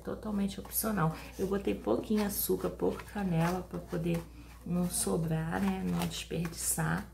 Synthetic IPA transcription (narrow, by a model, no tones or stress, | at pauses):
t̪ot̪awmẽnt͡ʃɪopsionaw | ewbot̪ejpokĩɲʊasukɐɾpowkɐ̥kʰɐnɛlɐpɾɐpod̪e | nɐ̃sobɾaɾnɛnɐ̃w̃d͡ʒɪspeɾd͡ʒisa